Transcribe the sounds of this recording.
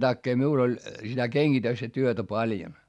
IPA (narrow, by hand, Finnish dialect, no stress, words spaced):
tɑkːeː miul olʲ sitæ keŋɡ̊itøstæ tyøtæ pɑljon